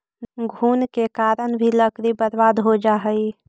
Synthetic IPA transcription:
ɡʱuːnkekaːɾəñbʱiləkɾibəɾʋaːd̪ɦod͡ʒaːɦəi

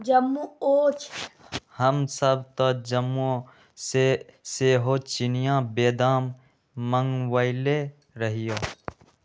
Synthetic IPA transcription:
d͡ʒɐmːuoːt͡ʃʰ | həmsəbt̪od͡ʒəmːo | seseːɦoːt͡ʃɪnijãːbeːd̪aːmː | əŋɡwaːɪle | ɾəɦɪjoː

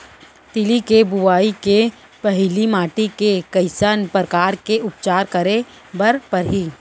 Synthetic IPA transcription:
t̪ɪlikebʊwaːike | pɛɦlimaːʈikekɐɪsanpɾəkaːɾkeʔʊpt͡ʃaːɾkɐɾe | bɐɾpɐɾɦiː

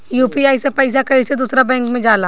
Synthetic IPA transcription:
juːpiaːisepɐɪs̬akɐised̪uːsɾabɛ̃ːŋkmẽd͡ʒaːlaː

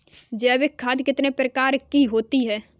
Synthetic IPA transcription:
d͡ʒɛːʋɪkʰːaːd̪kɪt̪nepɾəkaːɾkiɦoːt̪iɦɛː

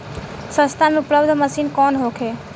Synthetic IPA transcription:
sə̃st̪ʰameupləbd̪ʱməsiːnkɔnɦokʰe

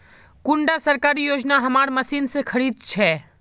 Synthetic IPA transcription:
kʊ̃ɳɖasəɾkaːɾijoːd͡ʒnaɦɐmaːɾmɐsiːnsekʰəɾiːd̪̚t͡ʃʰɛː

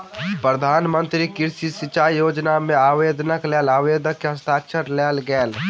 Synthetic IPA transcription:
pɾəd̪ʱaːnmə̃nt̪ɾikɪɾsisɪt͡ʃaːjjoːd͡ʒnamẽaːʋeːd̪nəklɛːlaːʋeːd̪əkːeɦɐst̪ʰaːkʃəɾlɛːlɡɛːl

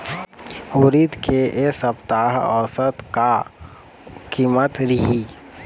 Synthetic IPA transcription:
uɾid̪kʰeʔesəpt̪aːɦɔ̰ːsət̪ka | kiːmət̪ɾɪɦiː

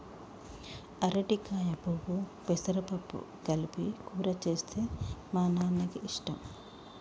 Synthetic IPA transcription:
ɐɾɐʈikaːjɐbubupesɐɾɐpɐpːṵ | ɡɐlpikuːɾɐt͡ʃeːst̪ʰeːmaːnaːnːɐɡiiʂʈɐm

